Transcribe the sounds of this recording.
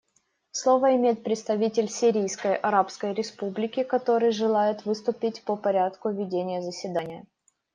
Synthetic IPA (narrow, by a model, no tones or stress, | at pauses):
slˠo̞vəɪmʲejɪt̪̚pɾʲɪt̪st̪ɐvʲitʲɪlʲsʲiɾʲijskəjʔɐɾapskəjɾʲɪspublʲɪkʲɪkɐt̪o̞ɾɨjʐɨlˠajɪt̪vɨst̪ʊpʲɪtʲpəpɐɾʲat̪kʊvʲɪdʲenʲɪjəzəsʲvʲɪd̪anʲɪjə